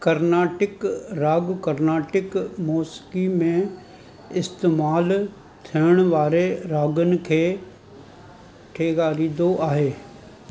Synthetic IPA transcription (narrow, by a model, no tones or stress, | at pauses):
kɐɾnaːʈɪkɾaːɡkɐɾnaːʈɪkmɔːskimẽ | ɪst̪eːmaːl | t̪ʰiəɽ̃ʋaːɾeɾaːɡʊnɪ̆kʰeː | ʈʰeːɡaːɾiːd̪oʔaːɦeː